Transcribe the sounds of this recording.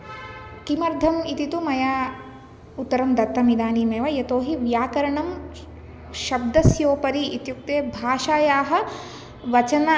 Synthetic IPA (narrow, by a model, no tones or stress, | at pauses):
kimɐɾd̪ʱɐmit̪it̪umɐjaː | ut̪ːɐɾɐmd̪ɐt̪ːɐmid̪aːniːmeːʋɐjɐt̪oːɦiʋjaːkɐɾɐɳɐm | ʃɐb̚d̪ɐsjoːpɐɾiit̪juk̚t̪eːbʱaːʃaːjaːɦɐ̆ | ʋɐt͡ʃɐnɐ